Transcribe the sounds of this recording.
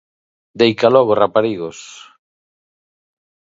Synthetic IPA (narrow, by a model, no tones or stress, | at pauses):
d̪ejkalɔɣorapaɾiɣos